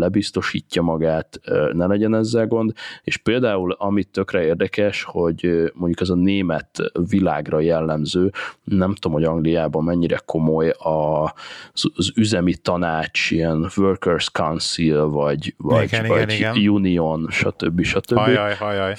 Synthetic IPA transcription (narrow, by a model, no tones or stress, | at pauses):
lɛbist̪o̞ʃiːcːɒmɒɡaːt̪nɛlɛɟɛnɛzːɛlɡo̞nd̪eʃpeːld̪aːulɒmit̪ːø̞krɛeːrd̪ɛkɛʃho̞ɟmo̞ɲɟukɛzɒneːmɛt̪vila̰ːɡrɒjɛlːɛmzøːnɛmt̪omho̞ɟɒŋɡlijaːbɒmmɛɲːiɾɛkʰo̞mo̞jɒ | zzyzɛmit̪ɒnaːt͡ʃijɛnvørkɛrskɒnsilvɒɟvɒ̰ɟɒjuːnionʃɒt̪ø̰bːiʃɒt̪øbːi